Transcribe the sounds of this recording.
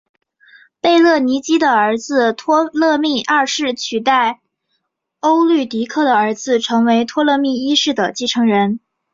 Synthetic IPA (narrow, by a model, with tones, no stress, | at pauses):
pe˥˧ɪlɤ˥˩ni˧˥t͡ɕi˥d̪ə˨ə˧˥d͡zɹ̩˧t̪ʰwɔ˥lɤ˥˧mi˥˧ʔa˥˧ʂɻ̩˥˩t͡ɕʰy˨˩t̪a˥˩ɪ | o˥ʊly˥˩t̪i˧˥kʰɤ˥˩d̪ə˩ə˞˧˥d͡zɹ̩˧ʈ͡ʂʰɤ˧˥ŋwe˧˥ɪt̪ʰwɔ˥lɤ˥˧mi˥˩i˥ʂɻ̩˥˩d̪ə˩t͡ɕi˥˩ʈ͡ʂʰɤ˧˥ŋɻə˧˥n